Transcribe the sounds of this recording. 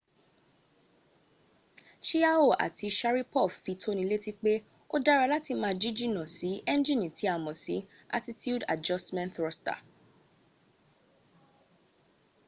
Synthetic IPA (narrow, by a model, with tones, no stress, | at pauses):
ʃi˦a˦o˦˨ʔa̰˨tʰi˧ʃa˦ɾi˦pɔ˦˨fi˨˦tʰo˦nĩ˧le˦ti˦k͡pe˦ | o˦da˦ɾa˧la˦ti˧mãː˧˦˧d͡ʒi˦d͡ʒi˦˨nã˨si˨˦ʔɛ˦n˦d͡ʒĩ˦˨nĩ˨tʰi˨˦a˦˨mɔ̃˨sḭ˨˦a̰˦ti˦tju˦da̰˨d͡ʒɔ˦stmɛ̃˦ntɾɔ˧sta̰˨